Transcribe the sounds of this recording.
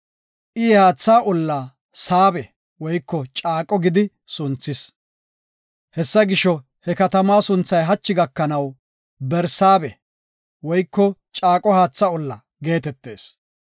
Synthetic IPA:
ʔiːhaːt͡sːaːʔʊlːa | saːbɛ | wɔjkːɔt͡ʃʼaːkʼːɔɡɪd̪ɪ | sʊnt͡sːɪs | hɛsːɐɡɪʃɔ | hɛkɐt̪ɐmaːsʊnt͡sːɐjɦɐt͡ʃːɪɡɐkːɐnɐw | bɛɾsaːbɛ | wɔjkːɔt͡ʃʼaːkʼɔhaːt͡sːaʊlːɐ | ɡe̞ːt̪ɛt̪ːe̞̰ːs

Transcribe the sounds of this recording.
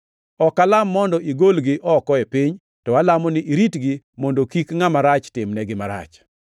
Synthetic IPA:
ɔkalamːɔndɔʔiɡolɡɪʔɔkɔepiɲ | tɔalamɔnɪʔiɾitɡɪ | mɔndokikŋamaɾat͡ʃtɪmnɛɡɪmaɾa̰t͡ʃ

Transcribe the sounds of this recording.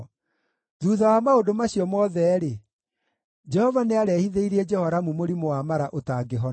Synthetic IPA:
ðuðawamaodomaɕijɔmɔðɛːɾe | d͡ʒɛhɔvaneaɾɛhiðeiɾiɛd͡ʒɛhɔɾamumoɾimowamaɾaʔotaɡeɦɔ

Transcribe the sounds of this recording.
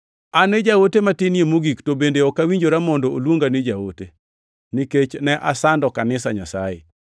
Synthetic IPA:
aned͡ʒawotematinjemoɡiktobendeɔkawiɲd͡ʒoɾamɔndɔolwoŋɡanɪd͡ʒawote | niket͡ʃnɛʔasandɔkanɪsaɲasajḛ

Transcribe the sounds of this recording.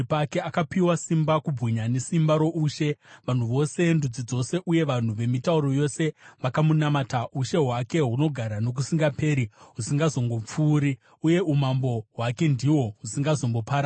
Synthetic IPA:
pake̞akapiwasimbakub͡vɣiɲane̞simbaɾo̞ʔuʃe̞ʋan̤uʋo̞se̞ndud͡zid͡zo̞se̞ʔuje̞ʋan̤uʋe̞mitauɾo̞jo̞se̞ʋakamunamataʔuʃe̞ɦwake̞ɦuno̞ɡʱaɾano̞k̬usiŋɡape̞ːɾiɦusiŋɡazo̞ŋɡo̞p͡fuːɾi | uje̞umambo̞ɦwake̞ndiwo̞ɦusiŋɡazo̞mbo̞paɾa

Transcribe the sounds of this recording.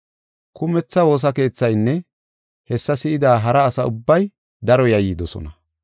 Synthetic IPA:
kʊmɛt͡sːɐwo̞ːs̬ɐke̞ːt͡sːɐjnːɛ | hɛsːɐsɪʔɪd̪aːɦɐɾɐːsɐʊbːɐj | d̪ɐɾɔjɐjid̪ɔsɔ̰nɐ

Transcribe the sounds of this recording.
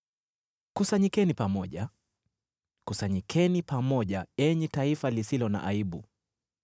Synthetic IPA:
kusaɲikɛnipamɔʄa | kusaɲikʰɛnipamɔʄaɛɲɛtaifalisilɔna̰ʔaiɓṵ

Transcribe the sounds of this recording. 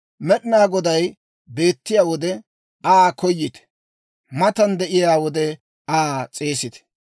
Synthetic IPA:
mɛɗɪnaːɡɔd̪ɐj | be̞ːt̪ːɪjaːwɔd̪ɛ | aːkɔjːɪt̪ɛ̥ | mɐt̪ɐnd̪ɛʔɪjaːwɔd̪ɛ | aːt͡sʼeːsɪt̪ɛ̥

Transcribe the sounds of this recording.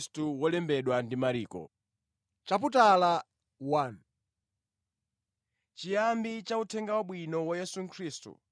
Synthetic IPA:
stuwɔlɛmbɛɗwandimaɾiːkɔ̰ | t͡ʃap̬utala | wan | t͡ʃijambit͡ʃautʰɛŋɡawaɓwinɔwajɛsuŋ̩kʰɾiːstṵ

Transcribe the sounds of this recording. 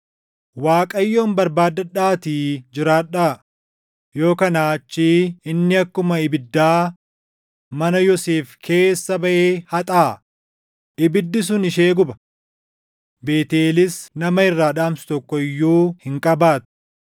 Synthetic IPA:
waːkʼɐjːo̞ːmbɐɾbaːd̪ːɐᶑaːt̪iːd͡ʒɪɾaːᶑaː | jo̞ːkɐnaːt͡ʃːiːɪnːɪɐkːʊmɐɪbɪd̪ːaː | mɐnɐjɔseːfkʰe̞ːsːɐbɐʔeːhɐt̪ʼaː | ʔɪbɪd̪ːɪs̬ʊnɪʃe̞ːɡʊbɐ̥ | be̞ːt̪eːlɪsnɐmɐɪrːaːᶑaːmsʊ̥t̪ɔkːɔɪjːuːhɪŋkʼɐbaːt̪ʊ̥

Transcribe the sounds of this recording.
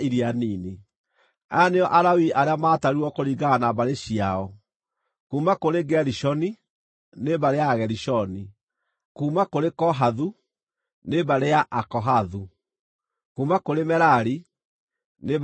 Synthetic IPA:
iɾianini | aneɔʔaɾawiʔaɾeamaːtaɾuɔkoɾiɡaanabaɾeɕiaɔ | kuːmakoɾeɡɛɾiʃɔni | nebaɾejaɣɛɾiʃɔni | kuːmakoɾekɔɦaðu | nebaɾejaʔakɔɦaðu | kuːmakoɾemɛɾaɾi | ne

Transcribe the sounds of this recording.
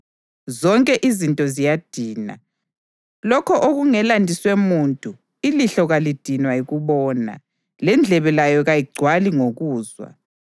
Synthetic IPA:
zɔŋkʼɛʔizintʼɔzijad̥ʱiːna̰ | lɔkʰɔʔoɣuŋɛlandʱiswemuntʼu | iliɬɔɣalid̥ʱinwaiɣuβɔːna̰ | lɛnd͡ɮʱɛβɛlajɔɣajiɡ͡ǀʱwaliŋoɣuːzwa̰

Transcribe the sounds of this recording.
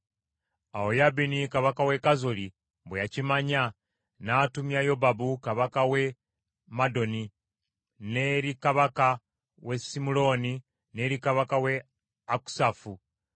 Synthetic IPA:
aojabinikaβakawe̞kazoli | βwejacimaɲa | naːtumjajo̞babukaβakawe̞ | mado̞ni | neɾikaβaka | we̞simulo̞ːni | ne̞ɾikaβakawe | aku̥safu

